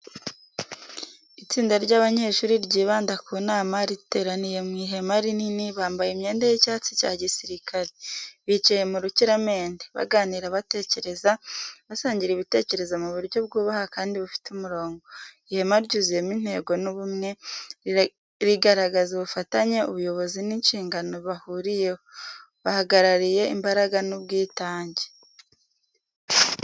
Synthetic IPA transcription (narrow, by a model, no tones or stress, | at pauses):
it͡siːndaɾɟaːβaɲe̞ːʃuːɾiɾɟiːβaːndakʰuːnaːmaɾite̞ːɾanije̞mŋiːɦe̞maɾininiβaːmbajemɲe̞ːndejecaːt͡si̥ca̰ːɟisiɾikʰaɾeβit͡ʃaje̞muɾuciɾame̞ːndeβa̰ɡaːniɾaβate̞ce̞ɾe̞zaβasaːɲɟiɾiβite̞ːce̞ɾe̞zamuβuɾɟo̞b̚ɡuːβahakaːndiβufi̥tumuɾo̞ːŋɡo̞ | ihemaɾɟuzije̞min̥he̞ːɡo̞nuβumŋe̞ | ɾiɡaɾaɡazuβufataɲe̞ṵβujo̞βo̞zininʃiːŋɡano̞βahuɾije̞ho | βahaɡaɾaɾije̞imbaɾaɡanubɡiːtaːɲɟe